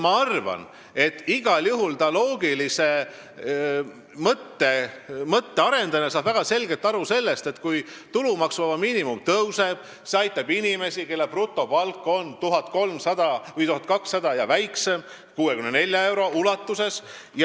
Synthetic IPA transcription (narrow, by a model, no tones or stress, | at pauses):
mɑɑrvɑ̰n | e̞t̪ːiɡ̥ɑljuɦult̪ɑlo̞ːɡ̥ilise̞ | mɤt̪ːe̞mɤt̪ːe̞ɑɾe̞nd̪̥ɑnesɑːb̥væɡ̥ɑse̞lɡet̪ːˑɑɾuse̞lːest̪e̞t̪kuj | t̪ulumɑksmɑvɑmiːnimumt̪ɤwse̞b̥ | se̞ɑjt̪ːˑɑbinime̞sike̞lːeprut̪ːˑo̞pɑlkːˑo̞nt̪uɦɑt̪̚ko̞lmsɑd̪̥ɑvɯjt̪uɦɑt̪̚ˑkɑksːɑd̪ɑjɑvæjksem | kuːwekymnene̞lʲːjɑe̞wɾo̞ʔulɑt̪ːuse̞sj